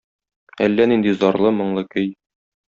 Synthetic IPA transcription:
ælːænind̪izɒɾlˠɤmŏɴlˠɤkɵj

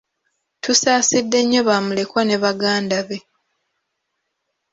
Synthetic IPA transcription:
tusaːsidːe̞ɲːo̞βamule̞kwane̞βaɡaːndaβe̞

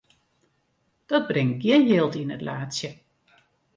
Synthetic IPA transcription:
d̥ɔd̚brɪŋt̚ɡiənjɪːlˠtinətlaːsjə

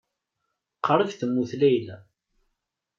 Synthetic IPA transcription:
qəɾˤəkθəmːuθlæjlæ

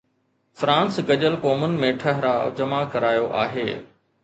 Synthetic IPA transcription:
fɾãːnsɡɐʄəlkɔːmənɪ̆mẽʈʰɐɦɪɾa̰ːd͡ʑɐmakɐɾaːjoʔa̰ːɦḛː

